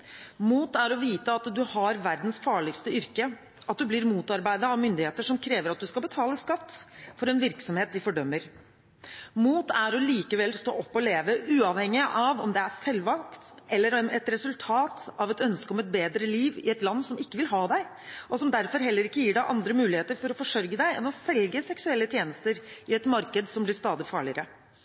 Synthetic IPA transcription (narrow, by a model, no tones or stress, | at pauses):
muːt̪æɾɔʋiːt̪əɑt̪d̪ʉhɑɾʋæɾd̪n̩sfɑːɭɪkst̪əʏɾkə | ɑt̪̚d̪ʉbliɾmuːt̪ɑɾbæɪd̪əɑʋmʏnd̪ɪheːt̪əʂɔmkʰɾeːʋəɾɑt̪̚d̪ʉskɑbət̪ʰɑːləskɑt̪ːfɔɾɛnʋɪɾksɔmheːt̪d̪ɪfɔɖœmːəɾ | muːt̪æɾɔliːkəʋɛlst̪o̰ːʔɔpːɔleːʋəʔʉːɑʋhɛŋːɪʔɑʋɔmd̪ɛæɾsɛlːʋɑlkt̪ʔɛlːəɾɛɛt̪ɾɛsʉlt̪ʰɑːt̪ɑʋɛt̪œnskəɔmɛt̪̚beːd̪ɾəliːʋɪ̰ɛt̪lɑnːsɔmɪkːəʋɪlɦɑːd̪æɪ | ʔɔsɔmd̪æɾfɔɾɦɛlːəɾɪkːəjiːɖæɪʔɑnd̪ɾəmʉːlɪheːt̪əɾfɔɾɔfɔʂœɾɡəd̪æɪɛnɔsɛlɡəsɛksʉɛlːət̪ʰjeːnəst̪əɾɪɛt̪mɑɾkəd̪sɔmblɪst̪ɑːd̪ɪfɑːɭɪəɾə